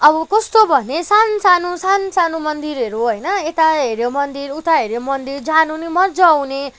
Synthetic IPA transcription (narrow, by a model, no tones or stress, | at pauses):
ʌbʌkʌst̪obʱʌnesansanusansanumʌnd̪iɾɦʌɾuɦʌjnʌet̪aɦeɾjomʌnd̪iɾut̪aɦeɾjomʌnd̪ird͡zʱanunimʌrd͡zʌːwne